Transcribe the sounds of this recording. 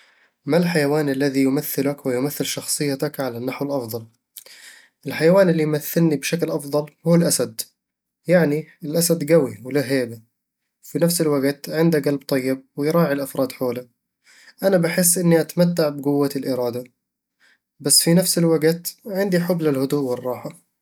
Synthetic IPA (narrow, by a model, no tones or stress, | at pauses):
malħajawaːnʔalːaðijʊmaθːɪlakwɪjʊmaθːɪlʃɑxsˤɨjːat̪akʕalanːaħwɪlʔɑfðˤɑl | ʔɪlħajawaːnɪlːijmaθːɪlnibʃaklʔɑfðˤɑlhuːlʔasad̪ | jaʕniɪlʔasad̪ɡawiwɪlaɦeːba | finafsɪlwaɡt̪ʕɪnd̪aɡalb̚t̪ˤɑjːɪb̚wɪjɾˤɑːʕilʔafɾˤɑːd̪ħoːla | ʔanabaħɪs̬ːʔɪnːiʔat̪amat̪ːaʕbɪɡʊwːaɪlʔɪɾɑːd̪a | basːfinafsɪlwaɡt̪ʕɪnd̪iħʊblalhʊd̪uːʔwɪrˤːɑːħa